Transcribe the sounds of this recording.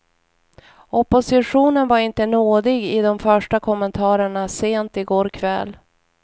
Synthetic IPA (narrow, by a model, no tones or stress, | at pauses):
ɔpʊsɪɧuːnənvaɾɪnt̪ənoːd̪ɪɡɪd̪ɔmfœʂʈakʰɔmənt̪ʰɑːɾəɳaseːnt̪ɪɡoːɾkʰvɛ̰l